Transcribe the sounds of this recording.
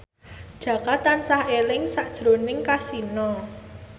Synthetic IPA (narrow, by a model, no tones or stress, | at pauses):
d̥ʒ̥ä̤kat̪ansahelɪŋsaʔd̥ʒ̥ɾo̤nɪŋkasinɔ